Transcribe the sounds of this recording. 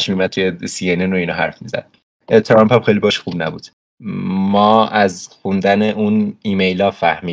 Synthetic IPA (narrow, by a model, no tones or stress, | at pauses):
ʃmimæd̪̚t̪ʰujesienenoinɒːɦæ̰ɾfmizæ̰d̪̥ | t̪ʰɾɒmpʰæmxejlibɒːʃxubnæ̰bud̪̥ | mɒːæzxund̪æneʔunimejlɒːfæhmiː